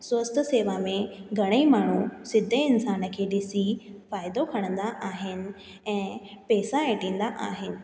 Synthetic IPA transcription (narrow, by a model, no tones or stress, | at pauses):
swɐst̪ʰəseːʋamẽɡʱɐɽ̃eimaːɳ̤usɪd̪ʱeɪnsaːnə̆kʰeːɗɪsifaːɪd̪okʰɐɽ̃ə̃nd̪aʔaːɦɪnɪ̆ | ɛ̃ːpɛːsaeʈĩːn̆d̪aʔaːɦɪnɪ̆